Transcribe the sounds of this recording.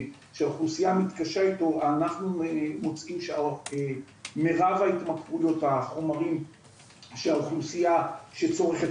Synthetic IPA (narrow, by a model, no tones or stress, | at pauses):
ʃeaoχlusijamit̪kaʃaitoanaχnumot͡simʃeae | me̞ʁavait̪makʁujo̞taχo̞maʁim | ʃeaoχlusijaʃet͡so̞ʁeχet